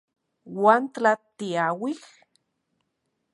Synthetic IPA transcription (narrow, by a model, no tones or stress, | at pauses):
want̪lat̪iawix